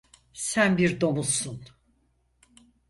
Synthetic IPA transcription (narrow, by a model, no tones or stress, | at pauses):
sænbiɾd̪o̞musun